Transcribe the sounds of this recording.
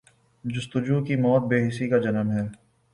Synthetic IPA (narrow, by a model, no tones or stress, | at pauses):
d͡ʒʊst̪ʊd͡ʒuːkimɔːt̪̚beːɦɪsikad͡ʒɐnəmɦɛː